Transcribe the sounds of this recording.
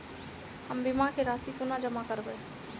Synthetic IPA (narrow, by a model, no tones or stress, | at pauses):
həmbimakeɾaːsipunad͡ʒəmakəɾbə